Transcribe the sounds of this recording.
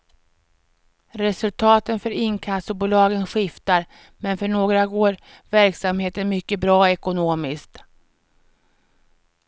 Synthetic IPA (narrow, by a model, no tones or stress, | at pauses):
ɾɛsɵlt̪ʰɑːt̪ənfœɾɪnkʰast̪ʊbuːlɑːɡənɧɪft̪aɾ | mɛnfœɳoːɡɾaɡoːɾ | væɾksamheːt̪ənmʏkːəbɾɑːɔɛkʊnoːmɪskt̪